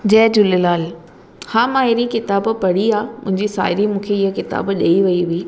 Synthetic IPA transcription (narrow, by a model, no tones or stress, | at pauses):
d͡ʑɛːd͡ʑʊlɪlaːl | haːmaːɦɪɾikɪt̪aːbpɐɽiaːmʊ̰̃ɦɪ̃ɲd͡ʑisa̰ːɦɪɾimũːkʰeɪɦəkɪt̪a̰ːbɗeiʋɐiɦuiː